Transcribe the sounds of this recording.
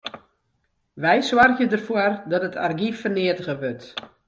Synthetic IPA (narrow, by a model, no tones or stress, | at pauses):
ʋɛjswarɣjədərfoərdɔtətʰa̰rɡifərnɪətəɣəʋøt